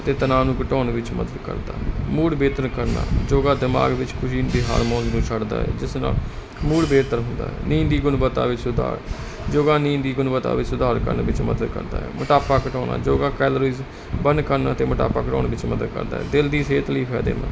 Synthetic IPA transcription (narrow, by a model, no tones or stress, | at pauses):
t̪eːt̪ənaːnũːkəʈɔːnʋɪt͡ʃmə̰d̪əd̪kə̰ɾd̪a̰ːmuːɽbeːt̪ənkəɾna̰ːd͡ʒoːɡaːd̪ɪma̰ːɡʋɪt͡ʃkʰʊʃiːnb̪eːɦa̰ːɾmɔ̃ːnznũːt͡ʃʰəɽd̪a̰ːɦɛ̰ːd͡ʒɪsna̰ːl | muːɽbeːt̪əɾɦʊnd̪a̰ːɦɛ̰ːnĩːnd̪iːɡʊnbət̪ːa̰ːʋɪt͡ʃsʊd̪a̰ːɾ | d͡ʒoːɡaːnĩːnd̪iːɡʊnbət̪a̰ːʋɪt͡ʃsʊd̪aːɾkə̰ɾnʋɪt͡ʃməd̪əd̪kə̰ɾd̪a̰ːɛ̰ːməʈaːpaːkəʈɔːnã̰ːd͡ʒoːɡaːkɛːloːɾiːz | bənkəɾnaːt̪eːməʈa̰ːpaːkəʈɔ̰ːɳʋɪt͡ʃməd̪əd̪̚kə̰ɾd̪a̰ːɦɛːd̪ɪld̪iːseːt̪ləiːpʰɛːd̪ḛːmã̰